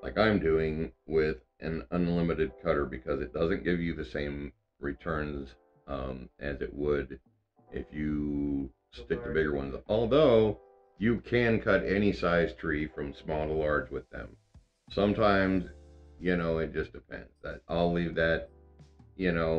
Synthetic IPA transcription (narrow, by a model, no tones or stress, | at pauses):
laɪkãɪ̃mdʉɪ̃ŋwɪðʔɨ̰̃nə̃nlɪ̃mɨɾɨd̚kʰʌɾə˞bɨkʰʌzɨt̚d̥ʌzɨ̃nɡ̥ɪvjɨðɨsẽɪ̃m | ɹɨtʰɜ̃˞nz | ʔʌ̃mʔɨzɨ̰ʔ̚wəɾ | ʔɪ̰fjɨ | stɪk̚tʰɨbɪɡə˞wʌ̰̃nzɔlˠðoʊ | jɨkʰɨ̃nkʰʌɾɛñisaɪz̥tʰɹ̥ifɹʌ̃msmɔlˠtəlɑɹd͡ʒwɨðɨ̰̃m | sʌ̃mtʰãɪ̃mzjɨnoʊɨt̚d̥ʒ̥ʌsd̥ɨpʰɛ̰̃ndz̥ðɨɾʔa̰ɪlivðɨt̚ | jɨnoʊ